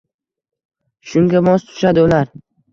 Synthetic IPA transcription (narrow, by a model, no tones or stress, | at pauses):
ʃʊŋɡʲabɒzt̪ʰʊ̥ʃad̪ɪʊlaɾ